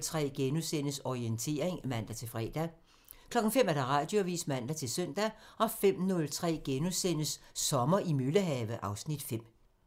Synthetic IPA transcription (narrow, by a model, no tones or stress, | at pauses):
t͡sʰʁɛ̰ːɡ̥enusen̰əsɒient͡sʰe̝̰ːɐe̝ŋmæn̰d̥æt͡sʰe̝lfʁɛ̰ːd̥æ | kʰlɒ̽ɡ̥n̩fem̰æɐd̥ɑ̈ʁɑ̈ːd̥joʋḭːsmæn̰d̥æt͡sʰe̝lsøn̰d̥æɒ̽fem̰nɔ̽lt͡sʰʁɛ̰ːɡ̥enusen̰əsːɒ̽mɐʔimyləɦɛʋəʔɑ̈ʊsnid̥fem̰